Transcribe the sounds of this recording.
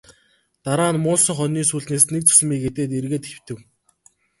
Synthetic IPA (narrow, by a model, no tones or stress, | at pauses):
t̪aɾaːnmʊːsə̆ŋχœniːsuːɮneːsnek̚t͡sʰɵ̥sɘ̆miːket̪eːt̪erɣeːt̪xew̥t̪ɘ̆w